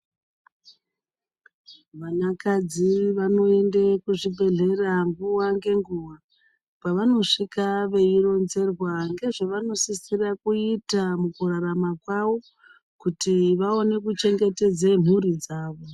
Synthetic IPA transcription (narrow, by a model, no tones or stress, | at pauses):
ʋanakad͡ziʋano̞e̞ndekuʐibʱe̞ɮe̞raŋɡuwaŋɡe̞ŋɡuwa | paʋano̞ʂikaʋe̞iro̞nze̞rwaŋɡe̞ʐeʋano̞sisirakuitamukuraramakwaʋo̞ | kutiʋao̞ne̞kut͡ʃe̞ŋɡe̞te̞d͡zen̤uɾid͡zaːʋo̞